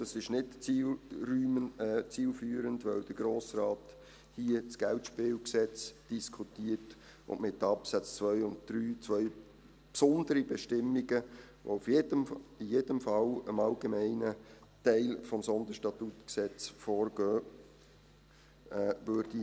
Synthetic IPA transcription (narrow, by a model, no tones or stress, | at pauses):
d̥ɑsɪʃnɪtilɾyːt͡siːlfyːəɾəndʋœld̥̪əɡ̥ɾoːsɾaːt | hiət͡sɡ̥ɛltʃpɪːwksɛt͡sd̥iskʰutiət | ʊ̰nmɪtːɑpsæt͡st͡svœʏʊnt̚d̪̥ɾyːt͡sʋœʏ | psʊnd̥̪əɾibɛʃtɪmːiɡəʋo̰ufjedəijeːd̥əmfɑləmɑlɡemɛɪnə | tɛɪlfɔmsɔnd̪əʃtɑt̪utksɛt͡sfoːɾɡøː | vøɾd̥i